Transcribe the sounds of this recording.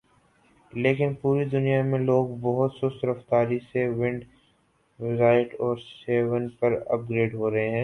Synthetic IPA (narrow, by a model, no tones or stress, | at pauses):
leːkɪnpuːɾid̪ʊnijamẽloːɡbɐɦʊt̪sʊsɾɐft̪aːɾisewɪ̃ɳɖ | ʋɪzaːɪʈɔːɾseːʋənpɐɾɐ̰p̚ɡɾeːɖɦoːɾɐɦeɦɛ̃ː